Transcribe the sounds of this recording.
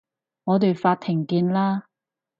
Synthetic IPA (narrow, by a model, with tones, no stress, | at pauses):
ŋɔː˨˧t̪e˨jfaː˧t̪̚ʰɪ˨˩ŋkiː˧nlaː˥